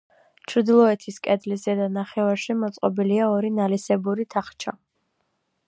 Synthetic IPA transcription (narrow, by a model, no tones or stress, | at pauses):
t͡ʃʰɾd̪ilˠɔɛt̪ʰiskʼɛd̪lizɛd̪anaχɛvaɾʃimɔt̪sʼqʼɔbiliaɔɾinalisɛbuɾit̪ʰaχt͡ʃʰa̰